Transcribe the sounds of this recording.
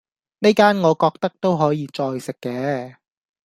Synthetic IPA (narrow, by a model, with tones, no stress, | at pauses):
ne˥jkaː˥nŋɔː˨˧kɔː˧k̚t̪ɐ˥k̚t̪o˥wɦɔː˨˥jiː˨˧t͡ʃɔː˧jsɪ˨kːɛː˨˧